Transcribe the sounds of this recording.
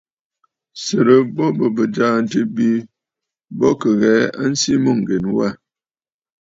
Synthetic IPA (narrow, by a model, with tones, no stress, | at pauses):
sə˨ɾə˨bɔ˦bə˨bə˨d͡ʒa˦˨n̩˦tə˦bi˦ | bɔ˦kə˨ɣɛː˨˦a̰˦n̩˦si˦mo˦˨ŋ̩˨ɡe˨nwa˦˨